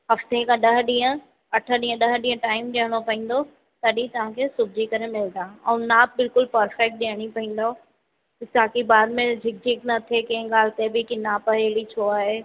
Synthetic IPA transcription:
ɦɐft̪ekʰãɗɐɦɗĩːə̃ | ɐʈʰə̆ɗĩːə̃ɗɐɦɗĩːə̃ʈaːɪmɗiəɽ̃opɐɦĩːn̆d̪o | t̪ɐɗĩt̪ɐʋ̤ãkʰesʊbʱd͡ʑikɐɾemɪld̪aːɛ̃naːbɪlkʊlpɐɾfɛk̚ʈ̚ɗiɦəɽ̃ipɐɦĩːn̆d̪o | ɪsaːkibaːd̪mẽd͡ʑʱɪk̚d͡ʑʱɪknɐt̪ʰekɐ̃ɪ̃ɡaːl̤ɪt̪ebʱɪkinaːpɐɦeːlit͡ɕʰoːaːɦeː

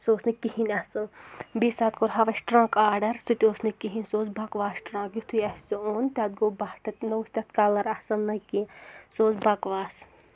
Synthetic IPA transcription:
soːsnɨkːihinʲɐsɐlbisaːt̪̚koɾɦɐʋɐʃʈɾãːkaːɖɐɾsut̪ʲoːsnikiɦinʲsoːsbɐkʋaːsʈɾãːkjit̪ʰujɐsɨoːnʲt̪ʲɐt̪̚ɡoːbɐhʈʰɐt̪nɐwsʲt̪ʲɐt̪kaːlɐɾɐsɐlnɐkisoːsbɐkʋaːs

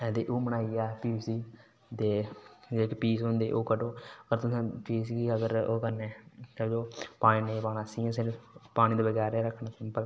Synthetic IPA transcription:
ɛːd̪eːʔoːməɽ̃aːiaːpiːsiː | d̪eːd͡ʒekpiːsɦʊ̃nd̪eːʔoːkəɖoːəɡəɾt̪ʊsẽːpiːskiːəɡəɾoːkəneːoːd͡ʒoːpaːɽ̃ĩːneːpaːnaːsiːãːs̬enpaːɽiːd̪eːbəɡɛːɾɛːɾəkʰːɳaːsɪmbəl

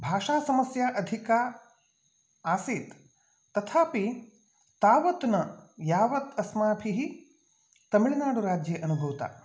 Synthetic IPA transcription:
bʱaːʃaːsɐmɐsjaːʔɐd̪ʱikaː | aːsiːt̪ː | ɐt̪ʰaːpi | t̪aːʋɐt̪nɐjaːʋɐt̪ɐsmaːpʰiɦi | t̪ɐmiɭɐnaːɽuɾaːd͡ʒjɐʔɐnubʱɐʋt̪a̰ː

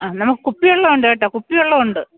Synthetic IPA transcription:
aːnɐmukːɨkupːijoɭːɐoɳɖeʈːaːkupːijoɭːɐuɳɖɨ

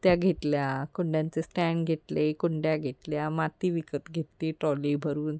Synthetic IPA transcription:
t̪jaɡʱet̪ljakoɳɖjãnt͡sesʈɛɳɡʱet̪lekoɳɖjaɡʱet̪ljamat̪iʋikət̪ɡʱet̪ːiʈɔlibʱəɾuːn

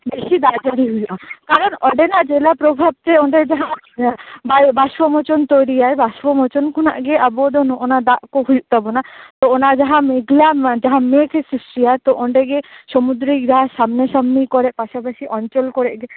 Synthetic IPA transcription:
beʃid̪ad͡ʒaɾiɦujlakaɾɔnɔɖenaʔd͡ʒelapɾɔbʱab̚t̪eɔɳɖed͡ʒaɦã | babaʃwɔmɔt͡ʃɔnt̪ɔjɾijajbaʃʋɔmɔt͡ʃɔnkʰɔnaʔɡeʔabɔd̪ɔnɔʔɔnad̪aʔkoɦujuʔt̪abɔnat̪ɔɔnad͡ʒaɦãmeɡlad͡ʒaɦãmekʰesusɾijaet̪ɔʔɔɳɖɛɡesɔmud̪ɾid͡ʒaɦasamnesamnikɔɾɛʔpaʃapaʃiʔɔɲt͡ʃɔlkɔɾɛʔɡɛ

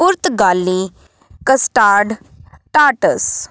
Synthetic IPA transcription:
ʊɾt̪ɡaːlːiː | kəsʈaːɾɖ | ʈaːʈəs

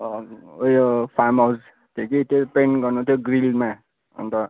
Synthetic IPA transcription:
ojopʰamaus | t̪ʰekit̪epenɡʌrnut̪ʰjoɡɾilma | ʌ̰nt̪ʌ

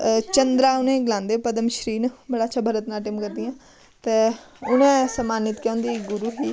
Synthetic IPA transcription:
t͡ʃənd̪ɾaːʊnẽːɡɪlãːnd̪eːpəd̪əmʃɾiːnbəɽaːtːʃʰaːbʱəɾət̪naːʈɪːmkəɾd̪ijãː | t̪eː | ʊnẽːsəmaːnɪt̪kjɔ̃ːnd̪iːɡʊɾuːɦiː

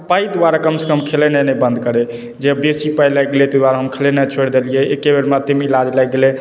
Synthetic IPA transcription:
paid̪waɾakəmse̥kəmkʰelenɛnɛbənd̪kəɾe | d͡ʒeəbjesipajlajɡelet̪əd̪waɾaɦəmkʰelenɛt͡ʃʰoɽd̪elijeekːebeɾmat̪emilad͡ʒlajɡele

